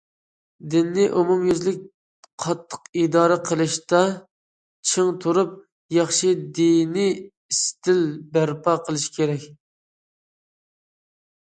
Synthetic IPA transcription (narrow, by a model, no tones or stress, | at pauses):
d̪ɪnːɪʔumumjyzlɪk̚ʲ | qʰɑt̪ʰːə̥qid̪ɑːɾɨqʰəlˠɨʃt̪ɑ | t͡ʃʰɪŋt̪ʰuɾup̚ | jɑχʃid̪inɪ | ist̪ɪlbæɾpɑqʰəlˠɨʃkʲeɾɛkʲ